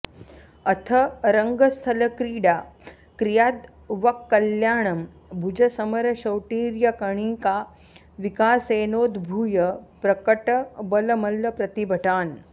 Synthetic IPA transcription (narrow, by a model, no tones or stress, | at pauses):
ɐt̪ʰɐɾəŋɡɐst̪ʰɐlɐkɾiːɽa | kɾijad̪ | ʋɐkːɐljaːɳɐm | bʱud͡ʒɐsɐmɐɾɕɐwʈiːɾjɐkɐɳ̃iːka | ʋikaːseːnoːd̪bʱujəpɾɐkəʈəbɐlɐmɐlːɐpɾɐt̪ibʱəʈaːn